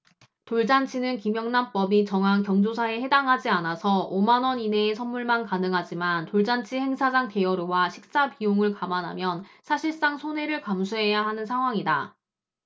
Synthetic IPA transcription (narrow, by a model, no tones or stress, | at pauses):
toɭd͡ʑant͡ɕʰinɯnkimjʌŋnamp͈ʌbit͡ɕʌŋɦaŋkjʌŋd͡ʑosʰae̞he̞daŋɦad͡ʑianasʰʌomanʌnine̞ːsʰʌnːuɭmankanɯŋɦad͡ʑimantoɭd͡ʑant͡ɕʰihe̞ŋsʰad͡ʑaŋte̞jʌɾuwaɕʰik̚s͈apijoŋɯɭkamanɦa̰mjʌnsʰaɕʰiɭs͈aŋsʰone̞ɾɯɭkamsʰuɦe̞jaɦanɯnsʰaŋɦwaŋida̰